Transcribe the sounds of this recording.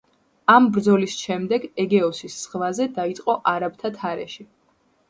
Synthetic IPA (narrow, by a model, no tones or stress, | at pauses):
ambɾd̪zɔlisʃɛmd̪ɛɡɛɡɛɔsisːχvazɛd̪ait̪sʼqʼɔʔaɾabt̪ʰat̪ʰaɾɛ̰ʃi